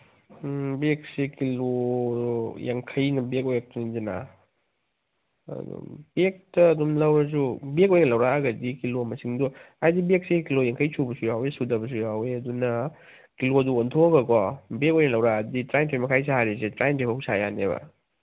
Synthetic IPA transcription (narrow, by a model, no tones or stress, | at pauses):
bek̚sekilo | jaŋkʰɐjnɐbekojak̚tʰunizina̰ | d̰b̥ek̚tɐːdumlɐwɾɐz̬ubekojnɐlɐwɾaɡɐdikilomɐsiŋdu | ajdibek̚sekilojaŋkʰɐjt͡ʃʰubɐsujawesudɐbɐs̬ujaweɐdunɐ | kiloɐduːntʰoɡɐkɔbekojnɐlɐwɾaditɾajntʰemɐkʰajs̬aaɾisetɾajntʰebɐhusajanebɐ̰